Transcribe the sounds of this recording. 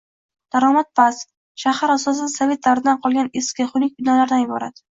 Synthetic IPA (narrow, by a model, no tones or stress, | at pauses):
d̪̥aɾɒmat̪̚pʰas | ʃahaɾasɒs̬ɪd̪asave̞t̪̚d̪avɾɪd̪anqʰɒlˠɡʲaneskʲaχʊnɪk̚ʲbɪnɒlaɾd̪anjɪbɒ̰ɾa̰t̪